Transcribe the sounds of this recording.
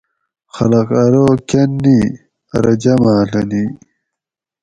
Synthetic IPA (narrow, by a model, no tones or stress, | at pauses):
xɐlɐqɐɾoːkɐnːi | ɐ̰ɾɐd͡ʑɐmaːlɐni